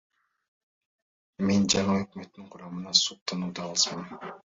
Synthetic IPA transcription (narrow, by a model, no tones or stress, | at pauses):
me̞nd͡ʒɑɴɯøkmøt̪ːiɴqʰʊɾɑmɯnɑsuq̚t̪ʰɑnuːd̪ɑɑlˠɯsmɑn